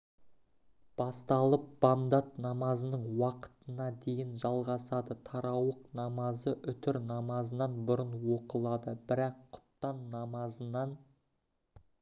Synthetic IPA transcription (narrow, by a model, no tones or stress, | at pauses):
b̥ɑst̪ɑlˠəp̚b̥ɑnd̪ɑt̪nɑmɑzənəɴwɑqə̥t̪ənɑd̪e̞jɪnʒɑlˠʁɑsɑd̪ət̪ʰɑɾɑwəqnɑmɑzəʔʏt̪ɪɾnɑmɑzənɑnbʊɾənwo̞qəlˠɑd̪əbɪɾɑqʰːʊ̥pt̪ɑnːɑmɑzənɑn